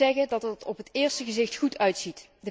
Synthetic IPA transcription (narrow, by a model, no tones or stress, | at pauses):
ɛɣədɑtətɔpɦətɪːɹstəɣəzɪxtχutʰœɥtsit | də